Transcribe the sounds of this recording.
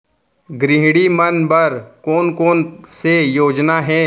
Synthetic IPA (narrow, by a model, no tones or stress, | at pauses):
ɡɾɪɦɽimɐnbɐɾkoːnkoːnsejoːd͡ʒnaɦɛː